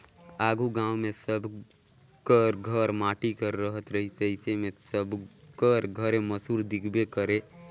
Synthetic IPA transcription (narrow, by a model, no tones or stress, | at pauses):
aːɡuɡãːwmẽsəb | kəɾɡʱəɾmaːʈikəɾːəɦət̪ɾəɦɪsəɦɪsemẽsəbkəɾɡʱəɾẽməsuːɾd̪ɪkʰbekəɾe